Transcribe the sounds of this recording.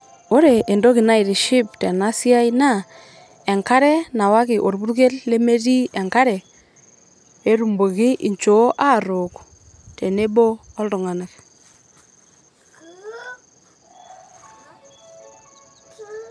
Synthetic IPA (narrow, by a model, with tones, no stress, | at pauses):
o˦ɾe˨ʔe˨ndo˦kɪ˨na˦i˨ɾʃi˦pte˨na˦si˦a˦jna˦ | e˨ŋka˦ɾɛ˦na˨wa˦kɪ˨ʔo˨ɾbu˦ɾke˦lle˦me˦ti˦e˨ŋka˦ɾɛ˨ | e˦ɾu˨mbo˨ɣɪ˦ʔi˨ɲt͡ʃo˨˦ʔa˦˨ɾʊ˨k | te˨ne˦bo˦ɔ˦ldu˨ŋa˨na˨k